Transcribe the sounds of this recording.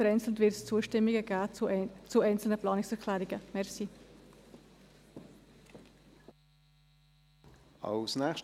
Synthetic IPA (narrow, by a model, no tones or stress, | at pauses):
əɾɛɪnt͡sl̩tvɪɾtst͡suːəʃtɪmiɡəɡaːt͡suɛɪnt͡sl̩nəplɑːnɪksɛʁkʰlɛːɾɪɡəmɛʁsi | ɑ̰lsnɛːχʃ